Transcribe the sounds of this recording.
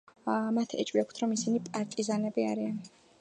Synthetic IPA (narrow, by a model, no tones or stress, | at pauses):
mat̪ʰɛ̰t͡ʃʼwiakʰt̪ʰɾɔmisinipʼaɾt̪ʼizanɛbiaɾian